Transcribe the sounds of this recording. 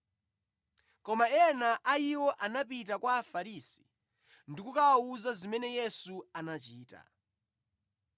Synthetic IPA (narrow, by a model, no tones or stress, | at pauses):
kɔmaɛnaʔaiwɔʔanap̬it̬akwaːfaɾisi̥ | ndikukaauzazimɛnɛjɛsuanat͡ʃiːta̰